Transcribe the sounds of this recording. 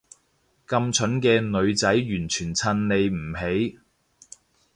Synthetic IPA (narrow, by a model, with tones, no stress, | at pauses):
kɐ˧mt͡ʃʰɵ˨˥nkɛː˧nɵ˨˧ɥt͡sɐ˨˥jjyː˨˩nt͡ʃʰyː˨˩nt͡sʰɐ˧nle˨jm̩˨˩he˨˥j